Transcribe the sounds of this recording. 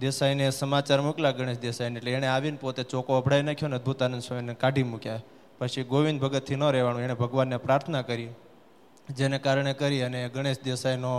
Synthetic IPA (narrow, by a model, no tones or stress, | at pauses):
d̪esainesəmat͡ʃaɾmuklaɡəɽ̃eʃd̪esajneeʈleːɽ̃eaʋinpot̪et͡ʃɔkoəbʱɽajnakʰjoneəd̪̚bʱut̪anənd̪sʃəʋinekaɖʱimukjae | pət͡ʃʰiɡoʋinbʱəɡət̪ʰːinəɾɛʋanũeɽ̃ebʱəɡʋanːepɾaɾt̪ʰənakəɾi | d͡ʒenekaɾɳ̃ekəɾiəneɡəɽ̃eʃd̪esajno